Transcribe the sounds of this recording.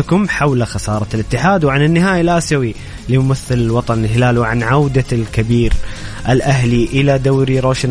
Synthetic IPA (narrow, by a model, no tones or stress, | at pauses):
kʊmħawlxɑsɑːɾˤɑlɪt̪ːɪħaːd̪wʕanɪnːɪɦaːjalaʔasawi | limʊmaθːɪlɪlwɑt̪ˤɑnɪlɦɪlaːlwʕanʕawd̪alkabiːɾʔɪlʔaɦliʔɪlad̪awɾiɾoːʃn